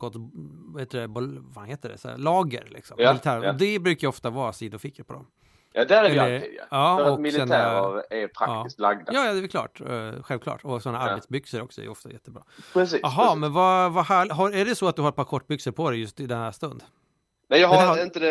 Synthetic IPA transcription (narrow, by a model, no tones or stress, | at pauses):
ɡ̥ɔt̪ːvheːt̪əɖɛbvanheːt̪əɖɛ̰slɑːɡə̰ɾlɪ̰ksɔmːɪlɪt̪ʰæːɾɔd̪ɛbɾʉ̟ːkajɔft̪avɑːsiːd̪ʊfɪkːəɾpʰɔd̪ɔ̰m | jd̪æɾɛɛlːəɾja̰ɑːɾaɔmɪlɪɛnæaɾɾɛɾpʰɾa̰ɑːɪst̪laɡd̪ajɑːjɑd̪ɛɛɾklɑ̰ːʈɧɛlvkʰlɑ̰ːʈɔsɔnːaaɾbeːt̪sbʏksəɾɔksɔɛ̰j̰ɔft̪a̰jɛt̪ʰːəbɾɑ̰ːɾɛsiɑɦɑmɛnvavahæːɭɪɦɑæɖɛsɔat̪̚d̪ɵhaɾɛt̪̚pʰɑɾkʰɔʈːbʏksəɾpʰɔd̪ɛjɵst̪ɪd̪ɛnhæːʂt̪ɵnd̪ | nɛjɑhɪnt̪əd̪ɛ